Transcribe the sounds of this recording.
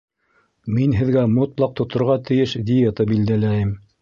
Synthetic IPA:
minɦɘ̆ðɡæmŏt̪lˠɑq̚t̪ŏt̪ŏɾʁɑt̪ɘ̆jɘʃd̪ʲɪjet̪əbild̪ælæjɘm

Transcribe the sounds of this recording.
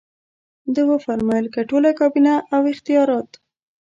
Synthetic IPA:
d̪əɣofaɾmɑjəlkaʈolakɑbinaʔawɪxt̪ijɑɾɑt̪

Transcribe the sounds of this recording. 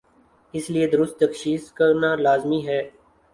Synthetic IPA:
ɪslied̪ʊɾʊst̪̚ːəkʃiːskəɾnaːlaːzmiːɦɛː

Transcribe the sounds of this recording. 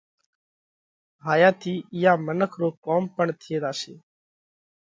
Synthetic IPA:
ɦaːjaːt̪ʰiːɪjaːmənəkʰɾoːkoːmpəɳt̪ʰɪeːd̪aːseː

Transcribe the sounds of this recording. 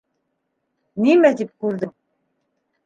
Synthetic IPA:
nimæt̪ip̚kʉɾðɘm

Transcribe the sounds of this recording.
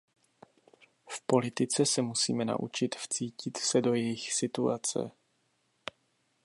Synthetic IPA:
fpo̞lɪt̪ɪt͡sɛsɛmusḭːmɛna̰ʔṵt͡ʃɪt̪ft͡siːcɪt̪sɛdo̞jɛjɪxsɪt̪uat͡sɛ̰

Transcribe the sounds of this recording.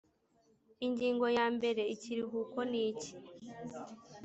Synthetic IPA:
iɲɟiːŋɡo̞jaːmbe̞ɾe̞iciɾiɦuːko̞niːci̥

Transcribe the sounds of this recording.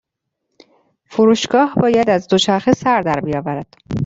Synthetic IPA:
fuɾuːʃɡ̥ɒːhbɒːjæd̪æzd̪oʃæɾxesæɾd̪æɾbijɒːvæɾæd̪̥

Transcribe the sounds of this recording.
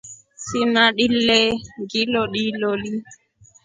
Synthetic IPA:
simaɗilːɛɡilɔɗiloli

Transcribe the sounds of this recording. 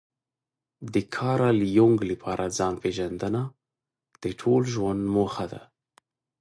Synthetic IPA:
d̪əkʰɑɾaljoŋɡləpʰɑɾʔad͡zɑnpeʒand̪əna | d̪̥əʈʰolʒwand̪moxad̪a̰

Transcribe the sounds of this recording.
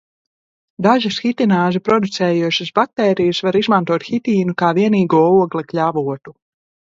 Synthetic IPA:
d̪aʒasxit̪inaːʒɨpɾɔd̪ut̪sɛːjuɔʃasbat̪ːɛːɾijɨsvaɾizmant̪uɔt̪xit̪iːnukaːviɛniːɡuɔuɔɡlʲˠɐkʎʲavuɔt̪u

